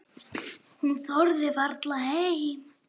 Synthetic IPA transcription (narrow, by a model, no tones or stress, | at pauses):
hnθɔɾðɪvaɾt̪laɦeːj